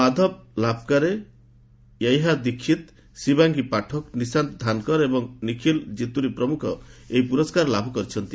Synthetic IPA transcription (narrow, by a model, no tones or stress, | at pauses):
ad̪ʱɔb̚labʱɔkaɾe | jajɦad̪ikʰːit̪ | sibaŋɡipaʈʰɔknisant̪d̪ʱankɔɾebɔŋnikʰild͡ʒit̪uɾipɾɔmukʰɔ̰eɦipuɾɔskaɾlabʱɔkɔɾit͡ʃʰɔnt̪i